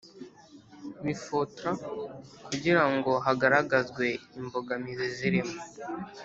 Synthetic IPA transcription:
mifotɾakuɟiɾaŋɡo̞ɦaɡaɾaɡazɡwe̞imbo̞ɡamiziziɾimo

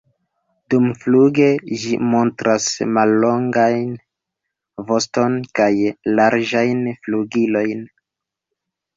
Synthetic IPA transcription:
dumfluɡe̞ʒḭmo̞ntɾʔasmalːo̞ŋɡajn | vo̞sto̞nkajlaɾd͡ʒajnfluɡilo̞jn

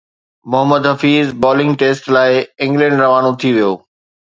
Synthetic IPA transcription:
mʊɦəməd̪ɦɐfiːzbɔːlɪ̃ŋɡʈeːsʈlaːɪɪ̃ŋɡlɛ̃ːɳɖɾɐʋaːnõt̪ʰiʋijo̰ː

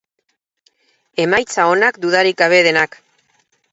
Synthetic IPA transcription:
e̞majt͡sao̞nakd̪uðaɾik̚ɡaβ̞e̞ðe̞nak

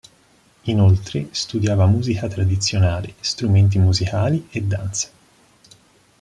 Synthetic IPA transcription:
inolt̪ɾest̪ud̪jaːvamuːzikat̪ɾad̪it̪sːjonaːlest̪ɾument̪̬imuzikaːlied̪ːant̪se̥

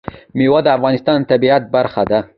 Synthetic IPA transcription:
miwad̪əafɣɑnɪst̪ɑnt̪abiat̪̚baɾxad̪a

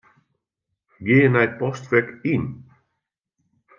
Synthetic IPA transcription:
ɡɪːənɛjt̚pɔstʋɛkin

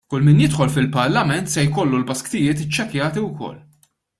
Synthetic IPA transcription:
kʊlmɪːnjɪt̪ħɔlfɪlpɐɾlɐmɛnt̪sɛjkɔlːulbɐskt̪ɪjɪːt̪ɪt͡ʃːɛkjɐːt̪iwkɔ̰lː

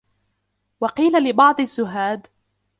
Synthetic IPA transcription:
wɑqiːlalɪbɑʕd̪ˤazːʊɦaːd̪

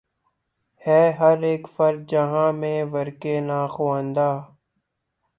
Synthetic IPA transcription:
hɛːɦəɾeːkfəɾd̪̚d͡ʒəɦãːmẽːʋəɾkeːnaːxoːə̃nd̪aː

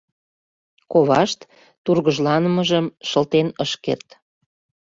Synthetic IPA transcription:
koβɑʃt̪ː | urɣəʒlɑnəməʒəmʃəlt̪enəʃkḛrt̪

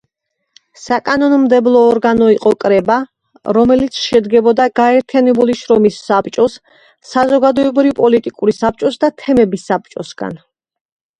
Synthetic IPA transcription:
sakʼanɔnmd̪ɛblˠɔːɾɡanɔiqʼɔkʼɾɛba | ɾɔmɛlit̪sʰʃɛd̪ɡɛbɔd̪aɡaɛɾt̪ʰijanɛbuliʃɾɔmisːapt͡ʃʼɔsː | azɔɡad̪ɔɛbɾipʼɔlit̪ʼikʼuɾisap̚t͡ʃʼɔsd̪at̪ʰɛmɛbisap̚t͡ʃʼɔsɡ̥a̰n

